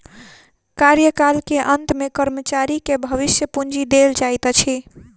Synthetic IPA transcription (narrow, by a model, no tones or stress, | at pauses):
kaɾjəkalkeʔənt̪mekəɾmət͡ʃaɾikebʱəʋisjəpund͡ʒid̪eld͡ʒajt̪t͡ʃʰi